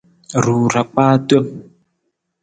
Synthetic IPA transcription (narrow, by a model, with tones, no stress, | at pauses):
ɾuː˨ɾa˨k͡paː˦twɛ˦m